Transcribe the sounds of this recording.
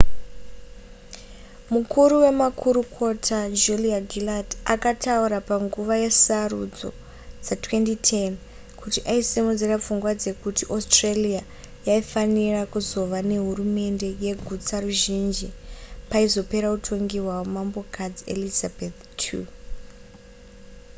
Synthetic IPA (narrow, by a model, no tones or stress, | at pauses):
mukʰuɾuwe̞makʰuɾukʰo̞tʰad͡ʒuliaɡʱiladakatʰauɾapaŋɡuʋaje̞sarud͡zo̞̰ | d͡zatwe̞ntitʰen | kutiʔaisimud͡zerap͡fuŋɡwad͡ze̞kutiʔostrelia | jaifanirakuzo̞ʋane̞ɦurume̞nde̞je̞ɡʱut͡saruʒind͡ʒipaizo̞pe̞ɾautʰo̞ŋɡiɦwawomambo̞kad͡ziḛlizabʱet̪ | tʰṵ